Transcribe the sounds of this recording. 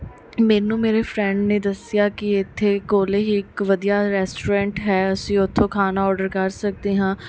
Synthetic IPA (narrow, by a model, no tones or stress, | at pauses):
mɛːnũːmeːɾeːfʰɾɛ̃ːɳɖneːd̪əsɪjaːkɪɪt̪ʰːeːkoːleːɦiːɪkʋəd̪ijaːɾɛːsʈuːɾɛ̃ːɳʈɦɛːəsĩːʊt̪ʰːõːkʰaːnaːɔːɾɖəɾkəɾsək̚d̪eːɦãː